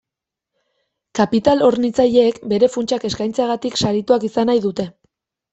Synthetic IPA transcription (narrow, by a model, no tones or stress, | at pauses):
kapit̪alo̞ɾnit͡saʎe̞ːkbe̞ɾe̞funt͡ʃake̞skajnt͡seaɣat̪iksaɾit̪uakisanajðut̪e̞